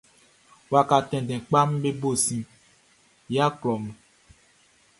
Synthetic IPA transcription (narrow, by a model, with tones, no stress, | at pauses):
wa˨ka˨tɛ̃˨dɛ̃˨k͡pa˦m̩˦be˦bo˦˨sĩ˨ | ja˦klɔ˨m̩˨